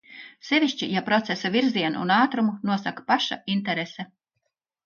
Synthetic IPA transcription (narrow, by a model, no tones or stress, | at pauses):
sevʲiʃt͡ʃijapɾɔt̪sesavʲiɾziɛnṵnaːt̪ɾumunuɔsakḁpaʃa̰int̪ɛɾesɛ